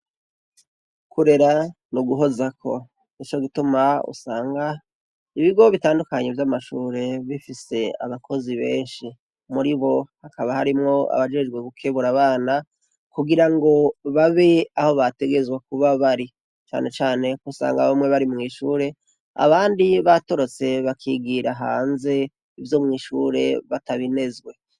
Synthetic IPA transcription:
kuɾe̞ɾa | nuɡuɦo̞zakʰo̞̰ | nit͡ʃo̞ɡitumaṵsaːŋɡa | iβiɡo̞βitaːndukaɲevjamaʃuːɾe̞βifise̞a̰βakʰo̞ziβe̞̰ːnʃi | muɾiβo̞hakaβahaɾimŋo̞a̰βad͡ʒe̞d͡ʒɡwe̞ɡukʰeβuɾaβaːna | kuɡiɾaŋɡo̞βaβe̞aho̞βate̞ɡe̞zɡwek̚uβaβaɾi | t͡ʃa̰ːne̞t͡ʃaːne̞kusa̰ːŋɡaβomŋe̞βaɾimŋiːʃuːɾe̞ | a̰βaːndiβato̞ɾo̞t͡se̞βakʰiɡiɾaɦa̰ːnze̞ | ivjo̞mŋiːʃuɾe̞βataβine̞zɡwe̞

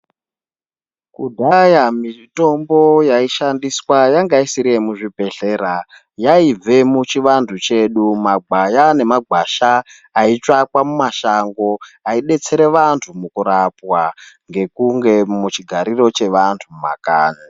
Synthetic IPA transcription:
kudʱajamito̞mbo̞jaiʃandiswajaŋɡaisiɾiemuʐibʱe̞ɬe̞ːɾa | jaib͡ve̞mut͡ʃiʋantʰut͡ʃe̞ɗumaɡ͡bʱajane̞maɡʱaʃaː | it͡ʂakwamumaʃaŋɡo̞aiɗe̞t͡se̞ɾe̞ʋantʰumukuɾapwaŋɡe̞kuŋɡe̞mut͡ʃiɡʱaɾiro̞t͡ʃe̞ʋantʰuma̰kaːni

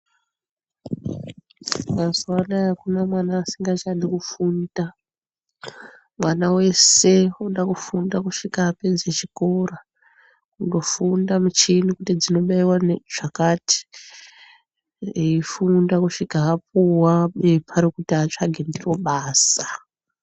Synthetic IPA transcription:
mazwanajakunamwanaːsiŋɡat͡ʃanikufunda | mwanawe̞se̞oɗakufundakuʂikaːped͡zet͡ʃiko̞ra | kundo̞fundamut͡ʃinikutid͡zino̞ɓaiwanʐ̥akaːti̥ | eifundakuʂikaɦap̚uwaɓepʰaɾikutiat͡ʃaɡʱendiro̞ɓaːsa

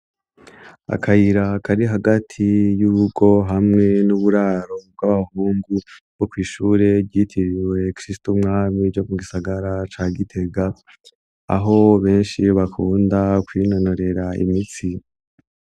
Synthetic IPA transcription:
a̰kʰajiɾakʰaɾiɦaɡatʰijuβuɡo̞ɦamŋŋe̞nuβuɾaːɾo̞b̚ɡwaβahuːŋɡu | ɡ̥o̞kwiːʃuːɾe̞ɟitʰiɾiwe̞kɾistumŋaːmid͡ʒomuɡisaɡaɾat͡ʃaːɡitʰe̞ɡa̰ː | ɦo̞βe̞ːnʃiβakʰuːndakwiːno̞no̞ɾe̞ɾaḭmit͡si

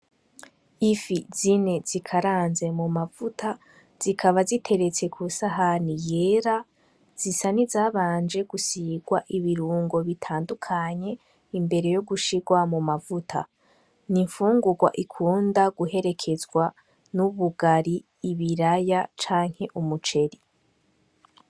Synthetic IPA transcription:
ifizine̞z̥ikʰaɾaːnze̞mumavutʰa | z̥ikʰaβazitʰe̞ɾe̞t͡se̞kʰusaɦanije̞ɾa | z̥isanizaːβaːnd͡ʒe̞ɡ̥usiɡwaʔiβiɾuːŋɡo̞βitʰaːndukʰaɲe̞ | imbe̞ɾe̞jo̞ɡuʃiɡwamumavutʰa̰ | niɱfuːŋɡuɡwa̰ʔikʰuːndaɡuɦe̞ɾe̞kʰe̞zɡwa | nuβuɡaɾiː | βiɾajat͡ʃaːŋ̥he̞ʔumut͡ʃe̞ɾi

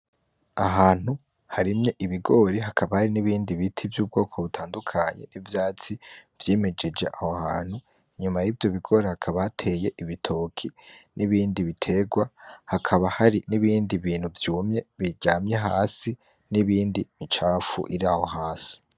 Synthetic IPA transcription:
aɦaːn̥hu | haɾimɲe̞ʔiβiɡo̞ːɾeɦakʰaβahaɾiniβiːndiβitʰivjuːb̚ɡo̞ːkʰo̞βutʰaːndukʰaɲe̞̰nivjaːt͡siv̥jeːme̞d͡ʒed͡ʒe̞ʔahohaːn̥hu | iɲumajiːvjo̞βiɡo̞ːɾehakʰaβahatʰe̞je̞ʔiβitʰo̞ːkʰinʔiβiːndiβitʰe̞ɡwahakʰaβahaɾiniβiːndiβiːn̥huvjuːmɲe̞βiɟaːmɲeɦaːsi | niβiːndimit͡ʃaːfṵʔiɾiaːho̞ɦaːsi̥

